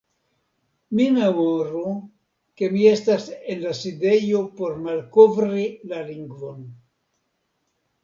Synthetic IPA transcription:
mimemoɾu | ke̞mie̞stase̞nlaside̞jo̞po̞ɾmalkovɾilaliŋɡvo̞n

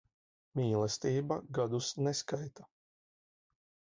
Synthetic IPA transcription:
mʲiːlˠɛst̪iːbaɡad̪usnɛskajt̪a

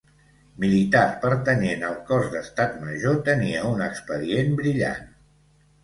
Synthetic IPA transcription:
milit̪aɾpəɾt̪ənenəlˠkɔzd̪əst̪at̪məʒot̪əniəunəkspəðiembɾiʎa̰n

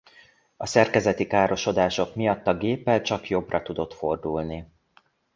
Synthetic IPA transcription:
ɒsɛrkɛzɛt̪ikaːɾo̞ʃo̞d̪aːʃo̞kmijɒt̪ːɒɡeːpːɛlt͡ʃɒkjo̞brɒt̪ud̪o̞t̪fo̞rd̪ulni

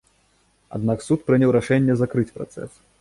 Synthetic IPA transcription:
a̰d̪naksut̪pɾɨnʲɛwɾaʂɛnʲːɛzakɾɨt͡sʲpɾa̰t̪sɛ̰s

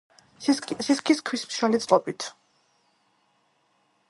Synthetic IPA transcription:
ʃiskʰʼiskʰwismʃwɛlit̪sʼlʼɔbit̪ʰ

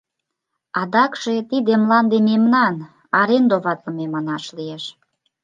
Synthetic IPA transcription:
ɑd̪ɑkʃet̪id̪emlɑnd̪ememnɑn | ɑɾend̪oβɑt̪ləmemɑnɑʃlieʃ

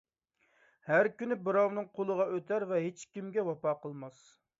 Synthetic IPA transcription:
hæɾkʲynɪbɨɾɑwnɨŋqʰolˠəʁɑʔøt̪ʰæɾvɛɦet͡ʃkʲimɡʲɛwɑpɑqəlˠmɑs

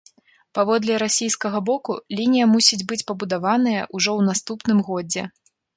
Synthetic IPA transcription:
pavɔd̪lʲɛɾasʲijskɐɣɐbɔkulʲinʲijɐmusʲid͡zʲbɨt͡sʲpɐbud̪avanɨjɐ̰ʔuʐɔwnast̪upnɨmɣɔd͡zʲɛ

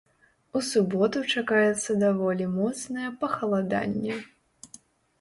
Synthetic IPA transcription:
usubɔt̪ut͡ʂakajɛt̪sːɐd̪avɔlʲimɔt̪snɐjɐpɐxɐlˠad̪a̰nʲːɛ

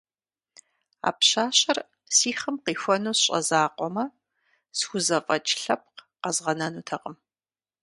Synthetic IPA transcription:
a̰ːpɕaːɕɐr | siːχɨmqiːxʷɐnuːsɕʼɐ̰zaːqʷʼɔmɐ | sxʷʊzɐfʼɐt͡ʃʼɬɐp̚qqɐzʁɐnɐnuːtʰɐqəm

